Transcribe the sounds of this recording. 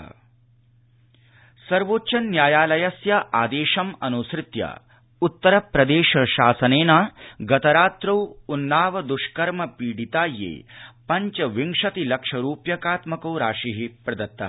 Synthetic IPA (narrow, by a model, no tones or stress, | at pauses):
sɐɾʋoːtːʃɐnːjaːjaːlɐjɐsjɐʔaːd̪eːʃɐmɐnuːsɾɪt̪jɐ̰ | ut̪ːɐɾɐpɾɐd̪eːʂɐʃaːsɐneːnaːɡɐt̪ɐɾaːt̪ɾɐwunːaːʋɐd̪uʃkɐɾmɐpiːɽit̪aːjḛːpɐɲt͡ʃɐʋiŋʂɐt̪ilɐkʂɐɾuːpjɐkaːt̪mɐkɐwɾaːʂiɦipɾɐd̪ɐt̪ːɐ̰ɦ